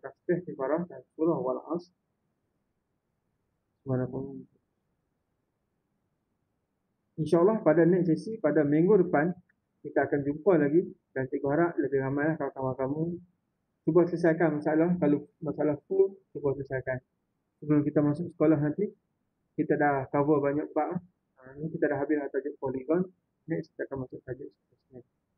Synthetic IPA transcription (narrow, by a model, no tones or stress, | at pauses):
ɾast̪ɛht̪ikaɾasdḁkuɾɔhwalʔas | subanakam | inʃaːlːɑhpadanɛʔ̪̚sesipadamiŋɡudəpan | kit̪aːkand͡ʒumpalaɡidant̪iɡɔɦaɾaʔləbɪhɾamajlahkawakamakamu | subuasələs̬ajkanmasaalakalomasaalahfulsubasələsajkan | səblunkit̪amasʊk̚sə̥kolaɦnãnt̪i | kit̪adahkavəbaɲakbaʔah | nkit̪adahɦabɪsat̪ad͡ʒʊʔ̚poliɡɔnː | ɛʔski̥t̪aakanmasʊk̚t̪ad͡ʒʊʔ̚sə̥kolasnan